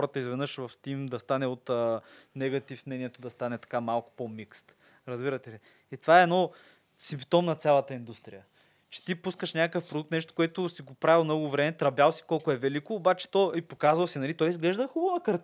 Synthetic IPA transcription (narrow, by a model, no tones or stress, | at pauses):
ɾət̪əizvɛd̪nɤʃvɐfst̪imd̪ɐst̪anɛot̪ənɛɡɐt̪ifnɛnijɛt̪od̪ɐst̪anɛt̪ɐ̥kamalˠkʊ̥pomikst̪ | ɾɐzbiɾɐt̪ɛli | it̪ovaɛːɛnɔ | simpt̪ɔmnɐt̪sʲjalˠɐt̪əind̪ust̪ɾḭjə | t͡ʃɛ̥t̪ipuskəʃnʲakəkəfpɾod̪uk̚t̪nɛʃt̪o̥koɛt̪ʊsiɡopɾavʲilˠmnɔɡʊvɾɛmɛt̪ɾɐbʲjalˠsi̥kɔlˠkʊɛvɛlikoːbat͡ʃɛ̥t̪ɔipokazvəlˠsinɐlit̪ɔjizɡlɛʒd̪əxubəvəkɐɾt̪